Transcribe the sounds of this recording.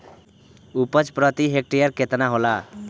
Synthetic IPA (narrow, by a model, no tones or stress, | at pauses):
upət͡ʃpɾət̪iɦek̚ʈijəɾket̪naɦola